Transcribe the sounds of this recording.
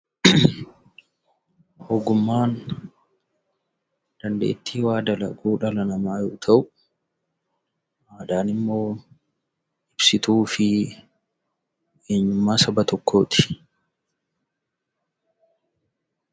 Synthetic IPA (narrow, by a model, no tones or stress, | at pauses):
hoːɡʊmːaːn | d̪̥ɐnd̪e̞̰ːt̪ːiːwaːd̪ɐlɐ̰ɡuːᶑɐlɐnɐmaːjoːt̪ʰɐʔʊ | haːd̪aːnɪmːo̞ː | ɪbsɪt̪uːfɪ | ʔe̞ːɲːʊmːaːsɐbɐt̪ɔkʰːo̞ːt̪ɪ̥